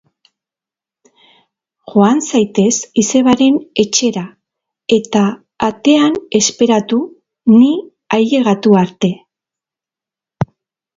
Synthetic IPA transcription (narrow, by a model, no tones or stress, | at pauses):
ʝo̞ansajt̪e̞sise̞βaɾe̞ne̞t͡ʃe̞ɾa | e̞t̪aː | t̪e̞ane̞spe̞ɾat̪u | ni | aje̞ɣat̪uaɾt̪e̞